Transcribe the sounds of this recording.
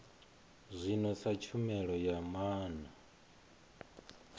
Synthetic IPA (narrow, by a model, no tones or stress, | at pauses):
zʷinɔsat͡ʃʰumɛɺɔjamaːna